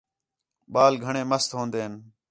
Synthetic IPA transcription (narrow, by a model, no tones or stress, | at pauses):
ɓaːlɡʱəɳẽːməst̪ɦoːnd̪eːɦən